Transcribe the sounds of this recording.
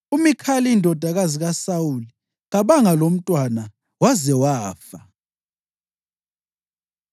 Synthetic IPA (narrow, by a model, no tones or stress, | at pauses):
umikʰaliindʱɔd̥ʱaɣaziɣasawuli | ɣaβaŋalom̩tʼwana | wazɛwaːfa